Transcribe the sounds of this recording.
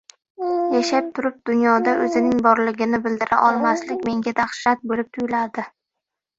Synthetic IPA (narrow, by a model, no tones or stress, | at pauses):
jaʃap̚t̪ʰʊɾɪp̚d̪̥ʊnjɒd̪aʔɵzɪnɪŋbɒɾlɪɡʲɪnɪbɪld̪ɪɾa̰ʔɒlˠmaslɪkʲme̞ŋɡʲad̪aχʃɪɾat̪̚bolɪp̚t̪ʰʊjlad̪ɪ